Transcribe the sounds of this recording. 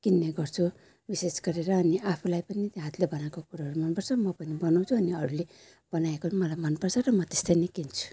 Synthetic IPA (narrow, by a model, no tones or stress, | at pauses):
kinːeɡʌrt͡sʰu | bisesɡʌɾeɾʌːniapʰulajpʌnit̪jeɦat̪lebʌnakokuɾaɦʌɾumʌnpʌrt͡sʰʌmʌpʌnibʌnaw̃t͡sʰuʌniʌɾule | b̥ʌnaekomʌlajmʌnpʌrt͡sʰʌrʌmʌt̪est̪ʌjnikint͡sʰu̥